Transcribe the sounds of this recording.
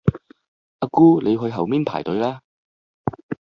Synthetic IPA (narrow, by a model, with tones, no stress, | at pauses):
ʔa˧kuː˥le˨˧jɦɵ˧ɥɦɐ˨˩wmiː˥npʰa̰ː˨˩jt̪ɵ˨˧ɥlaː˥